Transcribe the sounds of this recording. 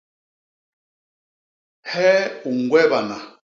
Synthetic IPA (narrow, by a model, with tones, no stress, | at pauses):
hɛ˦u˨ŋ˨ɡwɛ˦βa˨na˨